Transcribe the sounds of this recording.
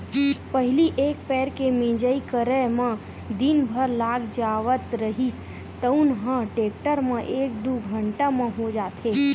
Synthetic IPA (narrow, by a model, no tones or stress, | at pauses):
pəɦɪliʔekpɛɾkemẽd͡ʒəikəɾəmã | d̪inbʱəɾlaɡd͡ʒaʋət̪ɾəɦis | t̪əunɦãʈekʈəɾmãʔek̚d̪uɡʱəɳʈamãɦod͡ʒaːt̪ʰe